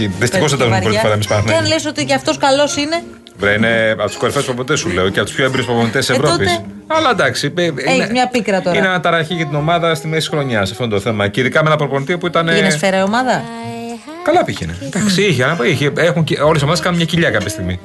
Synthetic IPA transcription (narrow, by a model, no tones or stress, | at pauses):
iðist̪ixo̞sɐnd̪ɐzunppoɾpɐɾɐemispɐnɐxmenlesot̪iɐft̪oskɐlo̞sine | vɾeineɐt̪u̥skoɾfespɾoponit̪esule̞oceɐpt̪u̥pʰçoebiɾuspɾonit̪esisevɾoopis | ɐlɐnd̪ɐksipeienezmɲɐpikɾɐt̪oinenɐt̪ɐɾɐçiʝɐt̪ino̞mɐðɐst̪imesi̥sxɾo̞ɲɐsɐft̪ond̪oθe̞mɐceiðikɐmeenɐpɾoponit̪iopuit̪ɐnesfeɾɐiomɐðɐ | kɐlɐpiçined̪ɐksiiçeɐnɐpoiçeexunceo̞les̬omɐðeskɐnunmɲɐciʎɐkɐpçɐst̪iɣmi